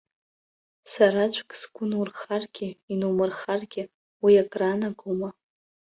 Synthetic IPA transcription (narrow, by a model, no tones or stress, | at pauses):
saɾat͡ʃʷʰʼkʼsɡ̥ʷʊnurχarɡ̥ʲɪinumɨrχarɡʲɪ | wiakʼranaɡoma